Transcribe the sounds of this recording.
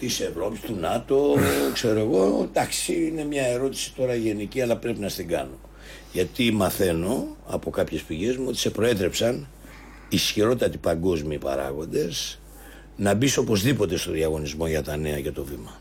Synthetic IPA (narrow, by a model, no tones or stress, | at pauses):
t̪ise̞vɾo̞pist̪unɐt̪o̞kse̞ɾo̞e̞ɣo̞d̪ɐksiine̞mɲɐe̞ɾo̞t̪i̥si̥t̪o̞ɾɐʝe̞niciɐlɐpɾe̞pinɐst̪iŋɡɐ̰no̞ | ʝɐt̪imɐθe̞no̞ɐ̰po̞kɐpçe̞spiʝe̞zmuo̞t̪i̥se̞pɾo̞e̞t̪ɾe̞psɐn | isçiɾo̞t̪ɐt̪ipɐŋɡo̞zmiːpɐ̰ɾɐ̰ɣo̞nd̪e̞s | nɐbiso̞po̞zðipo̞t̪e̞st̪o̞ðiɐɣo̞nizmo̞ʝɐt̪ɐne̞ɐʝɐt̪o̞vimɐ